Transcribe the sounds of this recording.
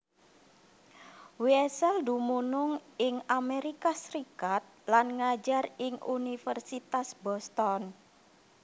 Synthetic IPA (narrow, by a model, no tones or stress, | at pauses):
wiɛsɛld̪umunʊŋɪŋameɾikasɾikat̪̚lanŋad͡ʒarɪŋʔṵnifɛrsit̪asbɔst̪ɔn